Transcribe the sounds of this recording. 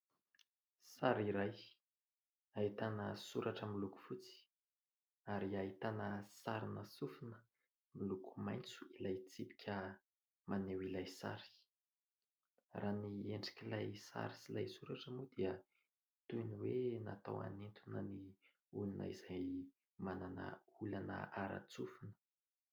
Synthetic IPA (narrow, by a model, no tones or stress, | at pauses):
saɾiɾaj | aɦit̪anəsuɾʔaʈ͡ʂəmiluku̥fut͡si̥ | aɾiait̪anəsaɾinəsufunə̥ | milukʰu̥majnt͡su̥ilajt͡sipi̥kʰʲə | manewilajsa̰ɾi̥ | raːnieɳɖ͡ʐi̥kʲilajsa̰ɾisilajsuɾaʈ͡ʂəmud̪̥iə | t̪ujniwenat̪a̰wa̰nent̪unəni | ulunə̰iz̥aj | mananə̰ulanə̰ʔaɾa̰t͡sufunə̥